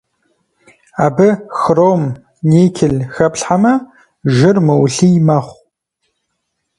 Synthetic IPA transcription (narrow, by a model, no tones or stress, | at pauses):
aːbɨxroːm | neːkʲʰɪɮxɐpɬħamɐ | ʒɪrmɨwɬijmɐχʷ